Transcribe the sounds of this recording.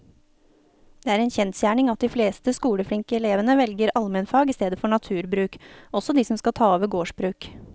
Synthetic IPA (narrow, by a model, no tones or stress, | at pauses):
d̪̥eːæːɾɛnçɛnt̪sjæːɳɪŋɑt̪̚d̪iːfleːst̪əskuːləfɽɪŋkəɛleːʋənəʋɛlɡəɾɑlmɛnfɑːɡɪːst̪eːd̪əfɔɳɑt̪ʰʉːɾbɾʉːkɔsɔd̪iːsɔmskɑlt̪ʰɑːɔːʋəɾɡoːʂbɾʉːk